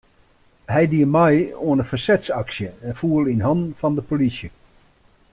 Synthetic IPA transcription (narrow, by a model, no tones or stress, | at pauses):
hɛjdiəmɛjoənəfərsɛtsɑksjəɛnfuəlˠinɦɑndn̩fɑndəpolisjə